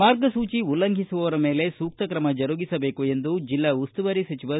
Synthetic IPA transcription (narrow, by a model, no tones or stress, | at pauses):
maːɾɡɐsuːt͡ʃiulːɐŋɡʱisuʋɐʋɐɾɐme̞ːle̞suːk̚t̪ɐkɾɐmɐd͡ʒɐɾuɡisɐbe̞ːkue̞nd̪ud͡ʒilːɐust̪uʋɐɾisɐt͡ʃiʋɐ